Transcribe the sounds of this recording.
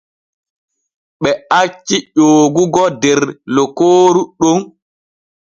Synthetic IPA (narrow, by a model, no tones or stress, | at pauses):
ɓɛat͡ʃːiʄoːɡuɡɔdɛɾlɔkoːɾuɗon